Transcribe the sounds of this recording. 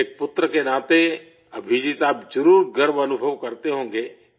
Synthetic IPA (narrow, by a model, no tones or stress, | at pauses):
eːk̚pʊt̪ɾəkenãːt̪e | ɐbʱid͡ʒit̪aːpd͡ʒəɾuːɾɡʱəɾbənʊbʱəʋkɐɾt̪eɦõːŋɡeː